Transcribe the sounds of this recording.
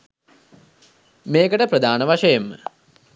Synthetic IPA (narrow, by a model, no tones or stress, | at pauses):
meːkəʈəprəd̪ʱaːnəʋaʂəjemːə̰